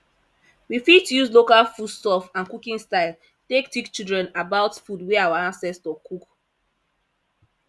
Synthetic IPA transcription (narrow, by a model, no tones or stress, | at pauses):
wifid̚tujuzlokalfud̥stɔfãnkukĩŋstaɪl | tektikt͡ʃildɹɛ̃nabaʊtfudwɛawaãnsɛstɔkʰuk